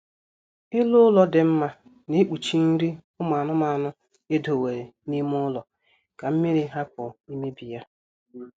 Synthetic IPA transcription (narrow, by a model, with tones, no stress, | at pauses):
ɪ˦lʊ˦lɔ˦dɪ˨m̩˦ma˦ | ne˦k͡pu˨t͡ʃi˦n̩˦ɾi˦ʊ˦m˨a˨nʊ˦ma˨nʊ˦ | e˦do˨we˨ɾe˨ni˦mʊ˦lɔ˨ | ka˨m̩˦me˦ɾi˦ɦa˦kʊ˨i˦me˦bi˨ja˦